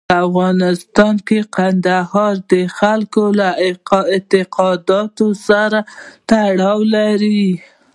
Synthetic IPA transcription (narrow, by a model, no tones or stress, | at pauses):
afɣɑnɪst̪ɑnkeqand̪ahɑɾd̪əxalkolaɪt̪ɪqɑd̪ɑt̪osaɾat̪aɽɑwlaɾi